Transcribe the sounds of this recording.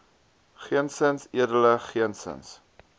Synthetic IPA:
χiənsənsiədələχiənsə̰ns

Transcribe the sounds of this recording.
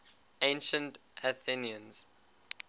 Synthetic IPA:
ẽnʃə̃ntaθiniə̃nz̥

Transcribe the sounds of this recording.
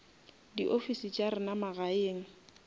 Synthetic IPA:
dḭʔofisit͡ʃʼaɾɪnamaɣaeːŋ̩

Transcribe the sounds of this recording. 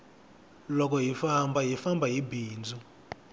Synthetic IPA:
lɔk̬ɔɦifambaɦifambʱaɦibiːnd͡zʱu

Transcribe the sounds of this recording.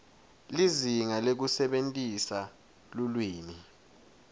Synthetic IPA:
liziŋalek̬usɛɓentʼisa | lulwiːni

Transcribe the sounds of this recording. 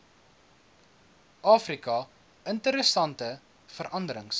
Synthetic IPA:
ʔɑːfrikɐ | əntəɾəsɐntə | fəɾʔɐndəɾəŋs

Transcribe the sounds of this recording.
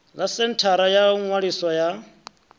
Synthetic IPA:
lasɛntʰaɾajaŋwaɺiswɔja

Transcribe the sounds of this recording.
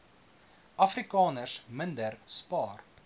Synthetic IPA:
ʔɐfrikɑːnərsməndərspɑːr

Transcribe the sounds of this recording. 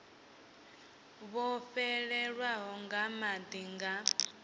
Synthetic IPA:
βɔfɛɺɛɺwaɦɔŋɡamad̪iŋɡa

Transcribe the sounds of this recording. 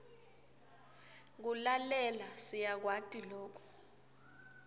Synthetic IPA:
k̬ulalɛlasijak̬watʼiloːk̬ʰɔ̥

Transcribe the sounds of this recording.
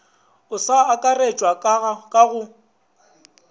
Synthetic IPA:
ʊsaːkʼaret͡ʃʼwakʼaɣʊ

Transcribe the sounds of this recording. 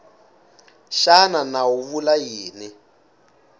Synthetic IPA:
ʃananauβulajiːni

